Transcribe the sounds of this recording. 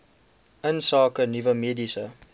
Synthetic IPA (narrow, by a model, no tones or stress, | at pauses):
ʔənsɑːkənivəmiːdisə